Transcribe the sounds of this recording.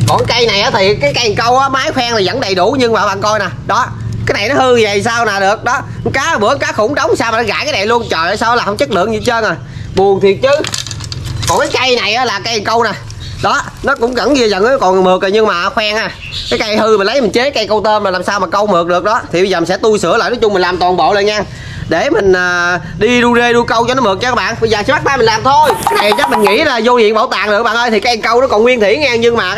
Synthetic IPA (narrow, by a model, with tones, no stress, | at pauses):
kɔ˨˩nka˧jna˨˩jʔaː˨˦t̪ʰi˨˩kaː˨˦jka˧jŋkə˧wʔaː˨˦maː˨˦˥jxwɛː˧ŋt̪i˨˩zə̰˧˥nɗə˨˩jɗu˧˩ɲɨ˧ŋmaː˨˩ɓa̰˨˧˨ŋkɔ˧jna˨˩ɗɔ˨˦ | kaː˨˦jna˨˩jnɔ˨˦hɨ˧zə˨˩jsaː˧wnaː˨˩ɗɨ˨˩ək̚ɗɔ˨˦ | kaː˨˦˩ɓɨ˧˥əkaː˨˦xʊ̰˧˥ŋ͡mɗə˨˦wŋ͡msaː˧wmaː˨˩ɔ˨˦ɣa̰ː˧˥jkaː˨˦jna˨˩jlu˧ənt͡ɕəː˨˩jʔəː˨˩saː˧wla˨˩hə˧wŋ͡mt͡ɕə˦˥k̚lɨ̰˧˨əŋzɨ˧t͡ɕəː˧nʔa˨˩ɓu˨˩əŋt̪ʰi˨˩ət̚t͡ɕɨ˨˦˥ | kɔ˨˩nkaː˨˦jka˧jna˨˩jʔaː˨˦laː˨˩ka˧jkə˧wna˨˩ | ɗɔ˨˦ | nɔ˨˦kʊ̰˧˥ŋ͡mɣə̰˧˥ni˧zə̰˨˩nː˨˦kɔ˨˩n˨mɨ˨˩k̚ə˨˩ɲɨ˧ŋmaː˨˩˨xwaː˧ŋʔaː˧˩ | kaː˨˦jka˧jhɨ˧mi˨˩n̟lə˨˦jmï˨˩ŋ̟t͡ɕe˨˦˥ka˧jkə˧wt̪e˧mlaː˨˩laː˨˩msaː˧wmaː˨˩kə˧wmɨ˨˩ək̚ɗɨ˨˩ək̚ɗɔ˨˦t̪ʰi˨˩ɓzəː˨˩m˨˩sɛ˧˥t̪u˧jsɨ̰˧˥əla̰ː˧˨jnɔː˨˦t͡ɕʊ˧ŋ͡mmi˨˩ŋ̟laː˨˩mt̪wɔː˨˩nɓo̰ː˧˨lə˧˨nɲaː˧ | ɗe˧˩mï˨˩ŋ̟ʔəː˨˩ | ɗi˧ɗu˧ze˧ɗu˧kə˧wt͡ɕɔ˧nɔ˨˦mɨ˨˩k̚t͡ɕa˧˦ɓa̰ː˧˨nɓə˧zəː˨˩sɛ˧˦ɓt̚ɓaː˧mï˨˩ŋlaː˨˩mt̪ʰo˧jkaː˦na˨˩jt͡ɕa˦˥mï˨˩ŋ̟ŋḭ˧˥laː˨˩zo˧ɲḭ˧˨ənɓə̰˧˩˦wt̪a̰ː˨ŋɗɨ˨˩ək̚ɓa̰ː˧˨nʔəː˧jt̪i˨˩kːaː˨˧ja˨˩ŋkə˧wnɔ˨˦kɔ˨˩nwi˧ənt̪ʰḭ˧˩˦ɲaː˧ɲɨ˧ŋmaː˨˩